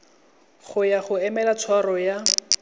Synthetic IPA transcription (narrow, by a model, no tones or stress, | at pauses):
χʊjaχʊɛmɛlat͡sʰwarɔja